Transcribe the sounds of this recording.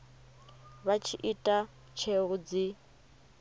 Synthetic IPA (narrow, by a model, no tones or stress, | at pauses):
βat͡ʃʰiʔitʼa | t͡ʃʰeɣud͡zi